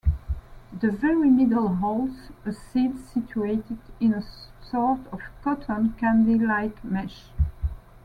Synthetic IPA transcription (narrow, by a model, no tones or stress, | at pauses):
ðəvɛɹimɪdəl̩ˠɦɔlˠsəsidsit͡ʃueɪtɨdɪ̃nəsɔɹtʰɔv̥kɔtʰə̃nkæ̃ndilaɪkmɛʃ